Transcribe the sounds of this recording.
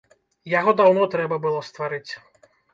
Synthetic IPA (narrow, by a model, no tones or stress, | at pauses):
jaɣɔd̪awnɔt̪ɾɛbɐbɨlˠɔst̪vaɾɨt͡sʲ